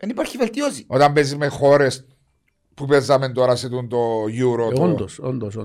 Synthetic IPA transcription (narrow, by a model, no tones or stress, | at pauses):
enipaɾçivelt̪joziot̪ambesimexoɾes | pupezament̪oɾaset̪unt̪ojuɾoond̪osond̪oso